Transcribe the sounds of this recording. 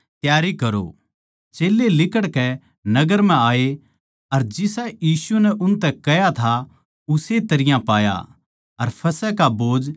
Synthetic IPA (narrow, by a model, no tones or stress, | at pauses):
t̪jaːɾikɐɾo̰ | t͡ʃeːlːelɪkəɽkɛ | nɐɡəɾm̤ɛ̃aːe | ɐɾd͡ʒɪsajiːsunɛʔʊnt̪ɛkɐjat̪ʰa | ʊset̪ɐɾɪjãpaːja̰ | ɐɾpʰɐsɛkaboːd͡ʒ